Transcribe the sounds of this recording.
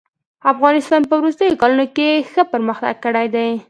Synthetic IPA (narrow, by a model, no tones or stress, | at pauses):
afɣɑnɪst̪ɑnpəwɾust̪əjokɑlunokexəpəɾməxt̪a̰ɡ̚kːəɽajd̪aj